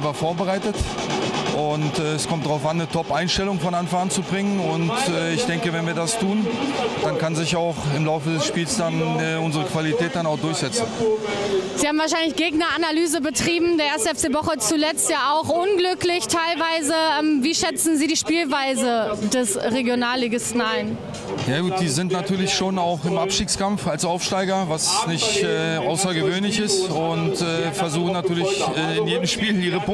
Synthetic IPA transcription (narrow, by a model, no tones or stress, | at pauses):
vafoːɐbəʁaɪtət | ʔʊntɛːɛskʰɔmtd̥ʁaʊfanːətʰɔpʔaɪnʃtɛlʊŋfɔnanfant͡subʁɪŋənʊntɛːɪçd̥ɛŋkəvɛnviːɐdastʰuːnd̥ankanzɪçaʊχɪmlaʊfədɛsʃpiːlsd̥anɛːʊnzəʁ̞əkv̥alitʰɛːt̚d̥anaʊχd̥ʊɐçz̥ɛt͡sn̩ | z̥iːhaːbm̩vaɐʃ̬aɪnlɪçɡ̥eːɡnɐanalyːzəbətʁ̥iːbm̩deːɐeːɐstəɛft͡seːvɔχət͡sulɛt͡stjaːaʊxʔʊnɡlʏklɪçtʰaɪlvaɪzəʔɛːmviːʃɛt͡sn̩ziːɾiːʃpiːlvaɪzədɛsʁeɡjonaːlːeɡɪsn̩aɪn | jaːɡuːt̚d̥iːzɪntnatʰyːɐlɪçʃoːnaʊxɪmʔapʃtiːkskamfalsaʊfʃtaɪɡɐvasnɪçtɛːʔaʊsɐɡəvøːnlɪçɪstʊntɛːfɛɐzuːχn̩natyːɐlɪçɛːɪnjeːdəm̩ʃpiːləniːʁəpʊ